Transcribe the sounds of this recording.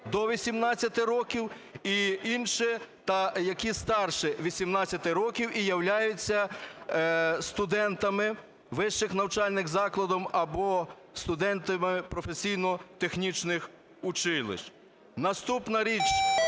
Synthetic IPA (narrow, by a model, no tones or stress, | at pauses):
d̪ɔʋʲisʲimnɑt͡sʲːɐt̪ɪɾɔkʲiw | iinʃɪt̪ɐjɐkʲist̪ɑrʃɪʋʲisʲimnɑt͡sʲːɐt̪ɪɾɔkʲiwʔijɐwlʲajʊt͡sʲːɐ | st̪ʊd̪ɛnt̪ɐmɪ | ʋɪʃːɪxnɐwt͡ʃɑlʲnɪxzɑklˠɐd̪ɔmɐbɔ | st̪ʊd̪ɛnt̪ɐmɪpɾɔfesʲijnɔt̪exnʲit͡ʃnɪx | ʊt͡ʃɪlˠɪ̰ʃt͡ʃ | nɐst̪upnɐɾʲit͡ʃ